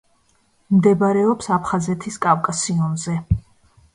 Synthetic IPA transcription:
md̪ɛbaɾɛɔpsapʰχazɛt̪ʰiskʼavkʼasiɔnzɛ

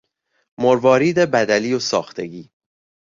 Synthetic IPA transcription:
moɾvɒːɾiːd̪ebæd̪æliːosɒ̰ːxt̪ʰe̞ɡiː

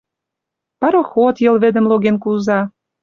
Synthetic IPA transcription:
pɑɾoxot̪jɤ̆lβĕd̪ə̆mloɣenkuzɑ

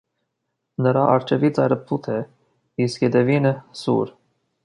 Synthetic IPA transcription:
nəɾɑʔɑɾt͡ʃʰɛvit͡sɑjɾəpʰut̪ʰɛ | iskjɛd̪ɛvinəsṵɾ

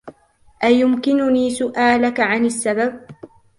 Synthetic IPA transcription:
ʔajʊmkɪnʊniːsʊʔaːlakaʕanasːabab̚

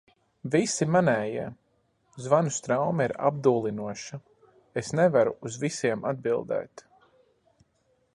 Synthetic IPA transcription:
visimanɛːjiɛ | zvanust̪ɾawmaiɾa̰b̚d̪uːlˠinuɔʃa | esnevaɾṵːzvisiɛmad̪̚bilˠd̪ɛ̰ːt̪

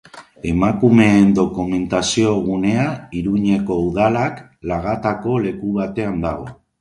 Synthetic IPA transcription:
e̞makume̞ːnd̪o̞kume̞nt̪asio̞ɣ̞une̞aiɾuɲe̞ko̞uðalak | laɣat̪ako̞le̞kuβ̞at̪e̞and̪aɣ̞o̞

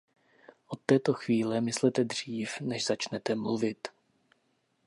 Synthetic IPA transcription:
ʔo̞t̪ːɛːt̪o̞xviːlɛmɪslɛt̪ɛd̪r̝̥iːfnɛʒz̥at͡ʃnɛt̪ɛmluvɪt̪

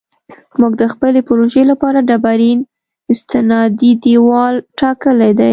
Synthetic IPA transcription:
muɡ̚d̪əxpəlepʊɾoʒelapɑɾaɖabaɾin | ɪst̪ɪnɑd̪id̪iwɑlʈɑkəlajd̪aj

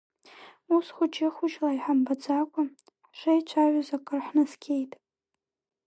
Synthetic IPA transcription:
usχʷʊt͡ʃʰʼɪχʷʊʒlaijħambad͡zakʷʼa | ħʂejt͡ʃʷʰaʒʷʊzakʼɨrħnɨskʲʰe̞jtʼ

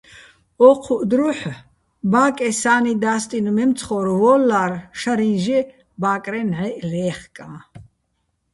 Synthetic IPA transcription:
ɔqʰuʔd̪ɾuħ | baːkʼɛsaːnid̪aːst̪ʼinumɛmt͡sʰχɔɾvɔːlːarʃaɾinʒɛ | baːkʼɾɛnʕɛʔlɛːχkʼaː

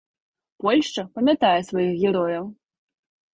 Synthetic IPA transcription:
pɔlʲʂt͡ʂɐpɐmʲjat̪ajɛsvɐjixɣʲɛɾɔjɐw

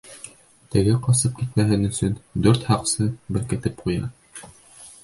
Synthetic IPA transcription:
t̪ɘ̆ɡɘqɑsɤp̚kit̪mæɦɘnɵ̆sɵnd̪ɵɾt̪hɑqsɤbɘ̆ɾkɘ̆t̪ɘp̚qujɑ

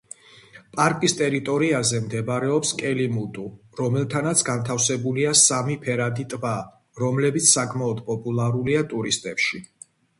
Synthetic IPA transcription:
pʼaɾkʼist̪ʼɛɾit̪ʼɔɾiazɛmd̪ɛbɾɛɔpskʼɛlimud̪ʼu | ɾɔmɛlˠt̪ʰanat̪sʰɡant̪ʰafsɛbuliasamipʰɛɾad̪it̪ʼba | ɾɔmlɛbit̪sʰsakʼmaɔd̪pʼɔpʼulˠaɾuliat̪ʼuɾist̪ʼɛpʃi

